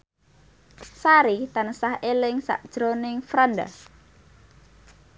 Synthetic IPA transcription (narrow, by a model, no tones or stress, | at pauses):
saɾit̪ansahelɪŋsa̰ʔd̥ʒ̥ɾonɪŋfɾanda̰